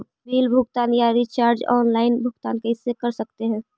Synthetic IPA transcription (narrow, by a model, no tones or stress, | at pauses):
biːlbʱʊɡt̪aːnjaɾit͡ʃaːɾd͡ʒɔ̰ːnlaːɪnbʱʊɡt̪aːnkeɦɪsːekəɾsəkt̪eɦɛ̃ː